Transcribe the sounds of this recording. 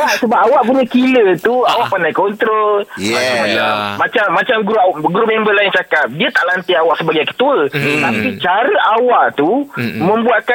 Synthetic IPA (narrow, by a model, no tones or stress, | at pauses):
aʔsəbaʔawaʔpuɲəkilət̪uawaʔpanajkɔnt̪ɾolmad͡ʒaməlamat͡ʃamːat͡ʃamɡɾuɡɾomembəlajŋt͡ʃakap̚diat̪aʔlant̪iawaʔsəbaɡajakə̥t̪uət̪apit͡ʃaɾəʔawaʔt̪umə̃mbuaka